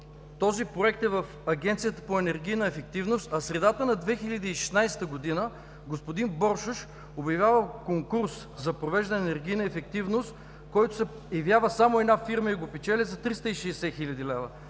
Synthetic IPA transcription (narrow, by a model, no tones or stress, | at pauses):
t̪ɔzipɾoɛkt̪ɛvəfɐɡʲɛnt̪sijət̪ə̥poɛnɛɾɡʲijnəɛfɛk̚t̪ivnost̪ɐsɾɛd̪at̪ənɐd̪vɛxilʲɐd̪iːʃɛ̥snajst̪əɡod̪inə | ɡospod̪inbɔɾʃʊʃ | objɐvʲjavəkoŋkuɾs | zɐpɾovɛʒd̪ɛnɛɾɡʲijnəɛfɛk̚t̪ivnost̪ | kɔjt̪ʊ̥sɛ | jɐvjavəsamoɛd̪nafiɾməiɡopɛt͡ʃɛlʲɛzɐt̪ɾist̪əiʃɛɛsɛxilʲɐd̪ilɛvə